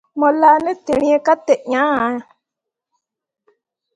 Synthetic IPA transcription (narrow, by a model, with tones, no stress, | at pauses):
mɔ̃˨la˦nɛ̃˦t̪e˨ñĩ˦ɛ̃˦ka˦t̪ɛ˨ʔɲã˨˦a˨˦˨